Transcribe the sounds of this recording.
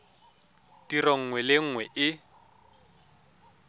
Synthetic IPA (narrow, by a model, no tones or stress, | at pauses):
tiroŋ̩ŋwɛlɪŋ̩ŋwɛʔɪ